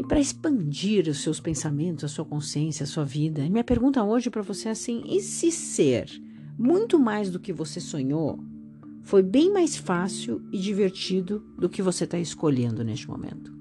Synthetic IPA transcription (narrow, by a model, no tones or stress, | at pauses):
ɪpɾɐɪspɐ̃d͡ʒiɾʊsːewspẽsamẽnt̪ʊzɐsuɐkõsiẽsjɐsuɐvid̪ɐmĩɲɐpeɾɡũnt̪ɐoʒɪpɾɐvoseasĩʔɪsɪseɾ | mũj̃t̪ʊmajzd̪ʊkɪvosesõɲo̰ | fojbẽj̃majsfasiwɪd͡ʒiveɾt͡ʃid̪ʊd̪ʊkɪvoset̪aɪskoʎẽnd̪ʊnest͡ʃɪmo̰mḛ̃nt̪ʊ̥